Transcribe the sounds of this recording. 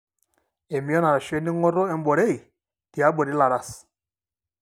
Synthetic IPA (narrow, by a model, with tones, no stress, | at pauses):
e˨mi˦ɔ˦na˨ɾa˨ʃe˦ni˦ŋɔ˦ɾɔ˦ɛ˨m˦bɔ˨ɾe˦˨i˨ | d̥i˨a˨˦bɔ˨ɾi˦la˨ɾa˦˨s